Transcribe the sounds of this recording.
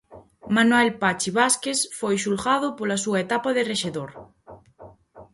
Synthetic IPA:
manwɛlpat͡ʃɪβaskesfojʃulɣaðʊpolɐsuɐet̪apɐðɪreʃeðoɾ

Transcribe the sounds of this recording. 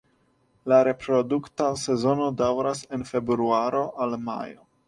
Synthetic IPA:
laɾe̞pɾo̞duktase̞zo̞no̞dawɾase̞nfe̞bɾɾuaɾo̞ʔalma̰jo̞̰

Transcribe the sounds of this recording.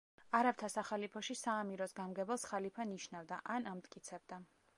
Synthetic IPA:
aɾaft̪ʰasaχalipʰɔʃisaːmiɾɔsɡamɡɛbɛlˠsχalipʰaniʃnavd̪a̰ʔanamt̪ʼkʼit̪sʰɛb̚d̪a

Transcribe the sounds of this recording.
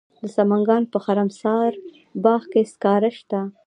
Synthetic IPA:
d̪əsamaŋɡɑnpəxaɾamsɑɾ | bɑːxkeskɑɾaʃt̪a

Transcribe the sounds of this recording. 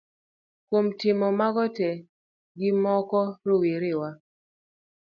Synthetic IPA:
kwomtɪmɔmaɡɔtɛ | ɡɪmɔkɔɾowiɾɪwa

